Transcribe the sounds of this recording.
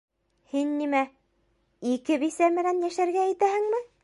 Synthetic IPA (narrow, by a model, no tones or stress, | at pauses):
hinːimæ | ikɘβisæmɘ̆ɾænjæʃæɾɡæːt̪æhɘ̆ŋmɘ